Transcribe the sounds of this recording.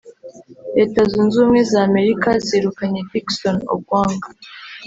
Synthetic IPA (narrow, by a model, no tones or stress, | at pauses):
ɾe̞ːtazuːnzuːmŋe̞zame̞ɾikazeɾukaɲediksono̰b̚ɡwaːŋɡa